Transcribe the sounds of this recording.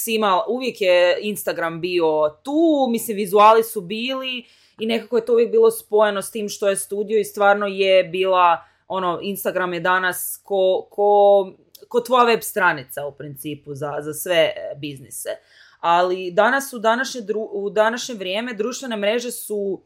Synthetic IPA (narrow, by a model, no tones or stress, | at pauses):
simaluʋje̞kjeinst̪aɡɾambio̞t̪uːmislimʋizuaːlisubiːli | ine̞kako̞je̞t̪o̞uʋjek̚biːlˠo̞spo̞jeno̞st̪iːmʃt̪o̞jest̪uːd̪ijo̞ist̪ʋaːɾno̞jebiːlˠa | o̞no̞inst̪aɡɾamjed̪anaskokʰo | kot̪ʋo̞jaʋe̞bst̪ɾanit̪saupɾint̪siːpuzazasʋe̞biznise | alid̪anasud̪anaʃɲed̪ɾuud̪anaʃɲe̞ʋɾjeːme̞d̪ɾuːʃt̪ʋe̞ne̞mɾe̞ʒe̞su